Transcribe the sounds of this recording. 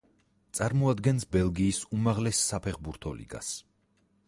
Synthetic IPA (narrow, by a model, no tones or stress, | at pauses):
t̪sʼaɾmɔad̪ɡɛnsbɛlˠɡiːsumaʁlɛsːapʰɛχbuɾt̪ʰɔlḭɡa̰s